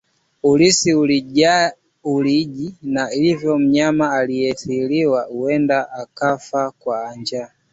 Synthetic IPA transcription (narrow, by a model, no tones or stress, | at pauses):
ulisiulia | uliʄinailivjɔm̩ɲamaːlijɛθiliwauɛndaʔakafakwaːɲd͡ʒa